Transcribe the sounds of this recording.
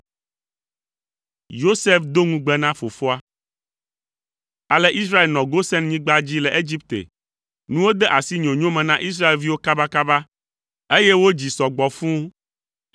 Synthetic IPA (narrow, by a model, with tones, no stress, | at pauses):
jo˦se˦fd̪o˦ŋũ˦ɡ͡bɛ˦nã˦fo˨fo˦a˦ | a˨lɛ˦ʔi˦sɾa˦e˨lnɔ̃˨ɡo˦sɛ̃˦nɲĩ˦ɡ͡ba˦d͡ʑi˦lɛ˨ʔe˦d͡ʑi˦p̚t̪ḛ˨ | nũ˦wo˦d̪ɛ˦ʔa˨si˦ɲõ˨ɲõ˦mɛ̃˨nã˦ʔi˦s̬ɾa˦e˨lvi˦wo˦ka˦ba˦ka˦ba˦ | e˦jɛ˦wo˦d͡ʑi˨sɔ˨ɡ͡bɔ˨fũ˦